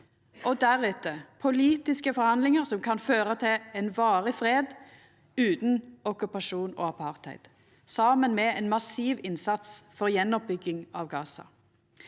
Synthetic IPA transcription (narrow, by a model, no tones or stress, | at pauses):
ʔɔd̪æʁʉːt̪əpʰʊliːt̪ɪskəfɔʁhɑnd̪lɪŋəʁsɔmkʰɑnføːʁət̪ʰɪlɛnʋɑːʁəfʁeːd̪ | ʉːt̪n̩ɔkʉpɑʃuːno̰ːɑpʰɑʁt̪hɛ̰ɪd̪̥ | sɑːmənmɛɛːnmɑsiːʋɪnsɑt̪sfɔʁjɛnːɔp̚bʏɡːɪŋɑʋɡɑːsɑ̰